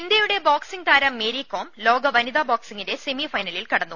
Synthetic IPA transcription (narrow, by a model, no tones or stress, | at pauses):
ind̪jɐjuɽe̞boːksiŋt̪aːɾɐmːeːɾikːo̞ːmlo̞ːɡɐʋɐnid̪aːboːksiŋɡinde̞semifɐjnɐlilkɐɽɐnːu